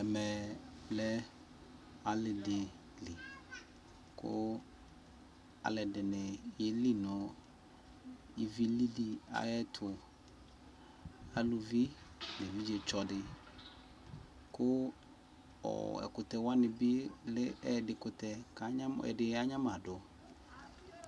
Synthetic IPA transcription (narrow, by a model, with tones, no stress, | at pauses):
ɛ˨mɛ˨lɛ˦ | a˨lɪ˨dɪ˨ | li˨ | kʰʊ̰˦ | a̰˨lɛ˨dɪ˨nɪ˨jɪ˦li˦nɔ˨ | i˨vi˦li˦di˦a̰˨jɛ˦tʰʊ˨ | a˨lu˨vi˦nɪ˨vi˦d͡ʒe˨t͡ʃɔ˨dɪ˨ | kʊ˦ | ɔ̰˨ɛ̰˨kʊ˨tɛ˨wa˦nɪ˨bɪ˦lɪ˦ɛ˦˨dɪ˨kʊ˨tɛ˨ka˨˦ɲa˦mɛ̰˨dɪ˨˦a˦ɲã˦ma˨dʊ˨